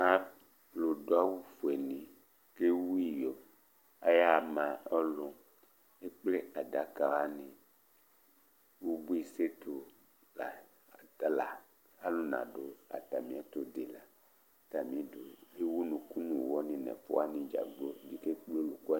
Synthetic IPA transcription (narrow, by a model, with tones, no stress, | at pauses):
a˦ | lo˨do˨˦a˦wu˦fo˨e˨nĩ˨ | ke˦wu˦i˨jo˨ | a˦ja˦˨mã˨ɔ˦lo˨ | e˦k͡ple˦a˨da˨˦ka˨wa˦nĩ˨ | wu˦bu˦i˦˨se˦t̪o˨ | la˨ | ta˦la˨ | a˦lo˦nã̰˨ɖo˨a̰˨t̪a˨mĩ˨a˨t̪o˨de˨la˨ | t̪a˨mĩ˨˦do˨ɦe˦wu˦nũ˨ku˦nũ˨wɔ˦nĩ˨nɛ̰̃˨fo̰˦a˦nĩ˨d͡ʒa̰˨ɡ͡blo˦di˦ke˦k͡plo˦lu˨ku˦a˦